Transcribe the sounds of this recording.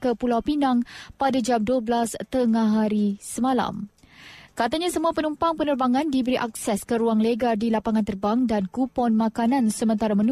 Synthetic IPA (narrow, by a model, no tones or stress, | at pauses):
kəpulawpinaŋpadad͡ʒamduəblast̪əŋaɦaɾisəmala̰m | kat̪aɲasəmuapənumpaŋpənərbaŋãndibəɾiʔaksɛskəɾuaŋleɡardilapaŋant̪ərbaŋdankupɔnmakanãnsəmə̃nt̪aɾamən